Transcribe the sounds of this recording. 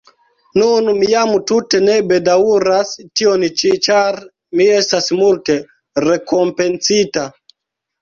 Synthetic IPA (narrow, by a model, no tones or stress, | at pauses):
nunumijamututenɛbedauɾastionit͡ʃit͡ʃaɾ | miɛstasimulte | rekompensita